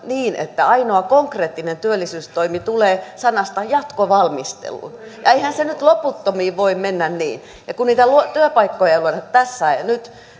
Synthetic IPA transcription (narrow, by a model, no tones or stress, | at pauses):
niːnḛt̪ːæɑinoɑkoŋkreːt̪ːinent̪yølːisyːst̪oimit̪uleːsɑnɑst̪ɑjɑt̪koʋɑlmist̪ḛlṵnjɑeihænsenyt̪loput̪ːomiːʋʋoimmenːænnḭːn | jɑkunniːt̪ælut̪yøpɑikːojɑluonɑt̪æsːæinyt̪